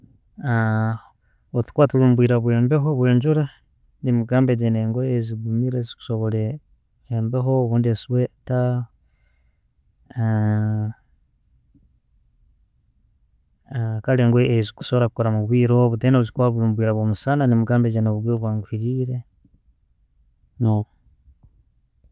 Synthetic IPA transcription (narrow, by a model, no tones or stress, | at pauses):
a | ot͡si̥kwaːtulumubwiːɾaβweːmbeɦoβweːɲd͡ʒuɾa | nimuɡaːmbeɟeneŋɡweːziɡumiɾezi̥ku̥soβole | embeɦoːβuːndiesiweta | kaleːŋɡweeziku̥soβoɾakukoɾamuβwiːɾoβutenouzikwaββwiːɾaβwomusananimuɡaːmbed͡ʒenoβuβwiɾoβwaːŋɡufiɾiɾe | no